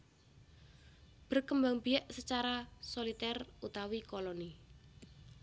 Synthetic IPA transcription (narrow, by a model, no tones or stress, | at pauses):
b̥ərkəmbaŋbiɛʔsət͡ʃaɾasolit̪ɛrut̪awikoloni